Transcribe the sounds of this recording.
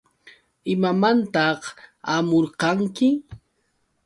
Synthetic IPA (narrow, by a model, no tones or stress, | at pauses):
ɪmamant̪ɑχamoɾqɑŋkɪ